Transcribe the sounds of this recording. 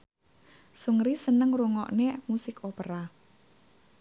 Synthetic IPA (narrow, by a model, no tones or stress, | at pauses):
suŋɾisənəŋruŋɔ̰ʔnemusɪkʰopəɾa